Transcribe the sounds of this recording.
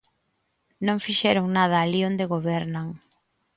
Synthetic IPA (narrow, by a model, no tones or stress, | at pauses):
nõŋfiʃɛɾoŋnað̞ɐːliond̪eɣoβɛɾnaŋ